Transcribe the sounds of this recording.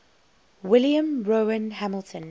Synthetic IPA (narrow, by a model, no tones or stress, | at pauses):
wɪljə̃mɹoə̃nɦæməlˠtʰə̃n